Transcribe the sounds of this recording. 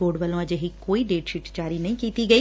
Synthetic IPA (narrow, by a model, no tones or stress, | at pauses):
oːɖʋəlõəd͡ʒeɦiːkoːiːɖeːʈʃɪʈd͡ʒaːɾinəĩkiːt̪iɡəiː